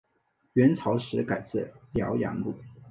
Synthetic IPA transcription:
ɥɛ˧˥nt͡sʰɑ˧˥ʊʂɻ̩˧˥ka˨˩ɪt͡sə˥˩ljɑ̰˧˥ʊjɑ̰˧˥ŋlṵ˥˩

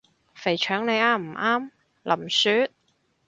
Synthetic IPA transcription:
fe˨˩jt͡ʃʰœː˨˥ŋne˨˧jaː˧m̩˨˩ʔaː˥m | lʔɐ˨˩msyː˨˥t̪̚

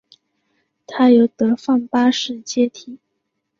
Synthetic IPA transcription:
t̪ʰa˥jo˧˥ʊt̪ɤ˧˥fɑ˥˩ŋpa˥ʂɻ̩˥˩t͡ɕjɛ˥t̪ʰi˨˩˦

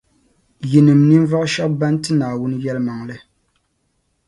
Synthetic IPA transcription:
ji˨nɨ˨mnɨ˦ɱ˦va˦ʔʃa˦ba˦n˦tɨ˦naː˨wʊ˦n˦jɛ˦lɨ˦ma˨ŋlɨ˦

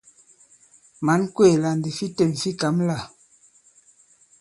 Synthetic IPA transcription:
ma˨˦nkwe˦˨la˨n˨di˨fi˦te˦˨mfi˦ka˨˦mla˦˨

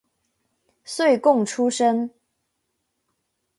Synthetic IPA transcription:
swe˥˨ɪkʊ˥˨ŋʈ͡ʂʰu˦ʂə˦ŋ

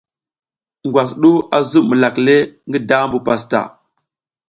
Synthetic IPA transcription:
ŋɡwa˨s̬ɗu˦a˨zu˦mə˨la˨kle˦ŋɡi˦da˦mbu˨pa˨sta̰˨

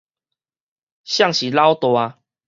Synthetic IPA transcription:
ɕja˥˨ŋɕi˨la˦wt̪wa˧

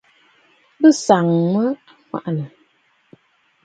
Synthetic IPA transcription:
bɨ˦sa˨ŋmə˦a˨ŋʷa̰˨ʔnə˨

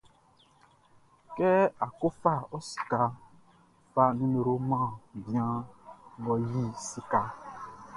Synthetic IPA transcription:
kɛ˦a˨ko˦fa˦ɔ˦si̥˨ka˨ | fa˦nĩ˦me˨ɾo˦mã˦˨bĩ˨ã˦ŋɡɔ˨ji˦˨si˨ka˨

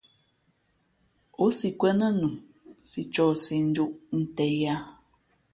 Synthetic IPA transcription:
o˦si˨kwɛ˦nə˦nu˨m | si˨t͡ʃɔ˦˨si˨n̩˦d͡ʒu˦ʔn̩˦tɛ˦ja˦

